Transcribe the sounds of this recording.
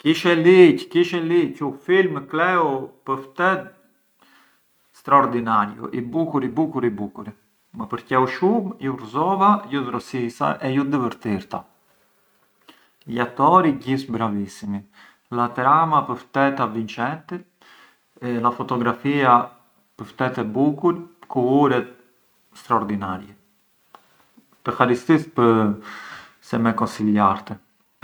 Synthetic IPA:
kiʃɛlickiʃɛlicufilmklɛupəft̪ɛt̪ | st̪ɾaɔɾd̪inaɾjṵʔibukuɾibukuɾibukuɾi | mɛpəɾcɛwʃumjurzɔvajuzɾɔsisa̰ʔɛjud̪əvəɾt̪iɾt̪a̰ | jat̪ɔɾiɟisbɾavisimi | lat̪ɛɾamapəɾft̪ɛt̪avint͡ʃɛnt̪i | lafɔt̪ɔɡɾafia | pəft̪ɛt̪ɛbukulkuuɾɛt̪ | st̪ɾaɔɾd̪inaɾjɛ | pɛxaɾist̪ispəɾ | sɛmɛkɔnsiljaɾt̪ɛ

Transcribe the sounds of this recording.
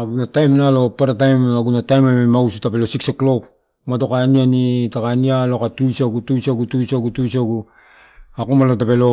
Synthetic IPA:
aɡunatajmnalo̞paɾatajmaɡunatajmamemausitape̞losikseklok | mato̞kanianitakanialokatusaɡutusaɡutusaɡutusaɡu | akomalotape̞lo̞

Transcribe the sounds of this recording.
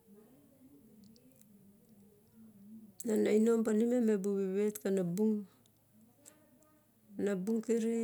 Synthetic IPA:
nanainompanimemebuβiβetkanabuŋ | nabuŋkiɾi

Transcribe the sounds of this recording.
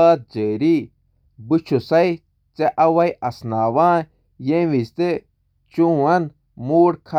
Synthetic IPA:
aːt̪̚d͡ʑeːɾi | but͡ʃʰusɐi | t͡seʔɐwɐjɐsnaːwãː | jẽwist̪e | t͡ʃũːɐn | muːɽkʰa

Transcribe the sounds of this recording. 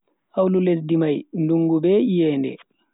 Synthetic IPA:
ʔawluledimajnduŋɡubɛʔijɛːndɛ̰

